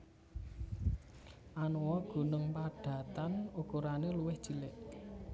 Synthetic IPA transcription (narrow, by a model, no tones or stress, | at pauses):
ʔanowɔɡ̥ṳnəŋpaɖ̥ä̤t̪anukuɾaneluwɪhd̥ʒ̥i̤lɪʔ